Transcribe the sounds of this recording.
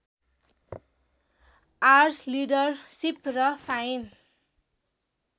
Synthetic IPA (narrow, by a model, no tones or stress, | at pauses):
arslidʌrsiprʌfʰajin